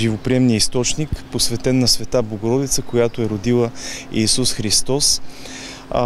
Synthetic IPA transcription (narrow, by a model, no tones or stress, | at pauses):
ʒivopɾiɛmniəist̪ɔt͡ʃnikposvɛt̪ɛnːɐsvɛt̪abloɡoɾɔd̪it̪səkojat̪oɛɾod̪ilˠəːsusxɾist̪ɔs